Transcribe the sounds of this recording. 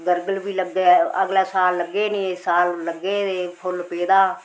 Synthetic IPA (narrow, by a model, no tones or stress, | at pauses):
ɡəɾɡəlbiːləɡeːə̰ɡlaːsaːlːəɡːeːnĩːsaːlːəɡeːeːpʰʊlpeːd̪aː